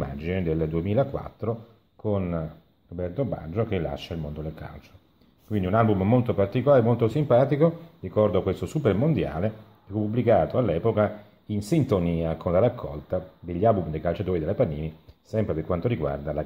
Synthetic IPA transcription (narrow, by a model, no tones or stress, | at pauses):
ma̰d͡ʒined̪eld̪uemiːlakwa̰t̪ːɾo | kon | robɛrt̪oba̰d͡ʒokelːa̰ʃːailmond̪od̪elka̰lt͡ʃo̥ | kwind̪iunalbummolt̪opart̪ikolaːɾemolt̪osimpaːt̪ikorikɔrd̪oakːwest̪osupermond̪ja̰ːle | fupːubːlikaːt̪oalːɛːpoka | insint̪oniːakʰonlaɾakʰːɔ̰lt̪ad̪eʎːalbumd̪ejkalt͡ʃat̪oːɾid̪elːapanːiːnisɛmpɾeperkwant̪oɾiɡwa̰rd̪ala